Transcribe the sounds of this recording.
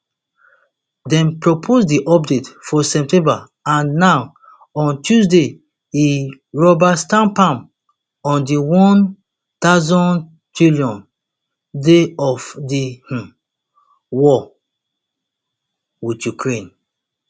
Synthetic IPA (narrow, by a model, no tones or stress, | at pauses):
dɛ̃npɹopʰosdiʔɔp̚detfɔsɛp̚tɛ̃mba | ãnːaʊ | ɔ̃ntusde | i | ɹɔbastãmpãm | ɔ̃ndiwɔ̃n | taʊzɔ̃n | tɹiljɔ̃n | deɔfdih | wɔ | witjukʰɹẽn